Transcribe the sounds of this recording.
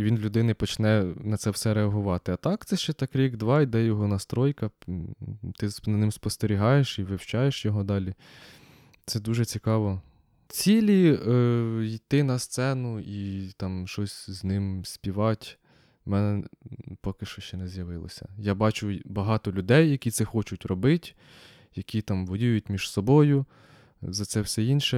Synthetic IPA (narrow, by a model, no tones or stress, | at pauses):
iʋʲinlʲʊd̪ɪnɪpɔt͡ʃnɛnɐtsɛwsɛɾeɐɦʊʋɑt̪ɪɐt̪ɑkt̪sɛʃt͡ʃɛt̪ɑkɾʲiɡd̪ʋɑid̪ɛjɔɦɔnɐst̪ɾɔjkɐ | t̪ɪnɐnɪmspɔst̪eɾʲiɦɑjeʃiʋɪwt͡ʃɑjeʃjɔɦɔd̪ɑlʲi | t̪sɛd̪uʒɛt͡sʲikɑʋɔ | t͡sʲilʲi | it̪ɪnɐst̪sɛnʊit̪ɑmʃɔsʲznɪmsʲpʲiʋɑtʲ | mɛnɛpɔkɪʃt͡ʃɔʃt͡ʃɛnɛzjɐʋɪlˠɔ̰sʲɐ̰jɑbɑt͡ʃʊbɐɦɑt̪ɔlʲʊd̪ɛjːɐkʲit̪sɛxɔt͡ʃʊtʲrɔbɪtʲ | jɐkʲit̪ɑmʋɔjujʊtʲmʲiʒ̥sɔbɔjʊ | zɐt̪sɛwsɛinʃɛ